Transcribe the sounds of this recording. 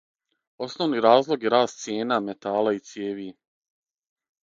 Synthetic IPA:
o̞snoʋniɾaːzlˠo̞ɡjeɾaːst̪t̪sijeːname̞t̪aːlait̪sjeːʋi

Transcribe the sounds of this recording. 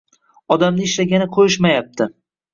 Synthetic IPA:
ɒd̪amnɪɪʃlaɡʲanɪqʰojɪʃmajap̚t̪ʰɪ

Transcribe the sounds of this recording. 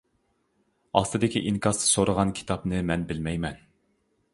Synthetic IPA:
ɑ̰st̪ɨd̪ɪkʲiʔiŋkʰɑɾsɨ̥soɾəʁɑnkʲʰi̥t̪ʰɑpnɨmɛnbɪlmɛjmɛn

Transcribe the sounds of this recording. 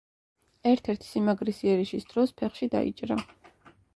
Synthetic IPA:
ɛɾt̪ʰɛɾt̪ʰi̥simaɡɾisiɛɾiʃisd̪̥ɾɔspʰɛχʃid̪a̰ḭt͡ʃʼɾa

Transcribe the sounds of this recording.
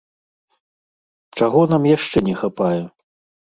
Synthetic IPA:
t͡ʂaɣɔnamjaʂt͡ʂɛnʲɛxapajɛ

